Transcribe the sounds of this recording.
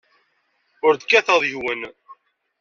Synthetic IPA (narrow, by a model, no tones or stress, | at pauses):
ʊɾd̪kːæθəðˤjəhwən